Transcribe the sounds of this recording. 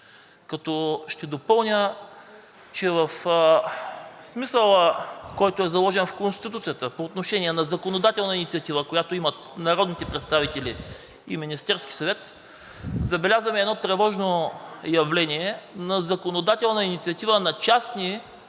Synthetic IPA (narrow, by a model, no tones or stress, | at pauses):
kɐt̪ɔʃt̪ɛd̪opɤlˠnʲə | t͡ʃɛvəf | smisəlˠəkɔjt̪oɛzɐlˠɔʒɛnfkonst̪t̪it̪ut̪sijət̪əpoːt̪noʃɛniɛnɐzɐkonod̪at̪ɛlˠnəinit̪iɐt̪ivəkojat̪oimət̪nɐɾɔd̪nit̪ɛpɾɛt̪st̪avit̪ɛli | iminist̪ɛɾskʲi̥sɐvɛt̪ | zɐbɛlʲazəmɛːd̪nɔt̪ɾɛvɔʒnojɐvlɛniɛnɐzɐkonod̪at̪ɛlˠnɐinit̪siɐt̪ivənɐt͡ʃasni